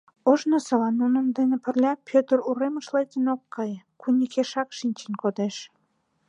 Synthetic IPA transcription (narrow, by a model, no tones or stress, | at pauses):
oʒnosɤ̆lɑnunə̆md̪enĕpə̆rlʲɑpʰʲøt̪əruɾemə̆ʃlet̪ənokːɑjkunʲikeʃɑkʃinʲt͡ɕenʲkod̪eʃ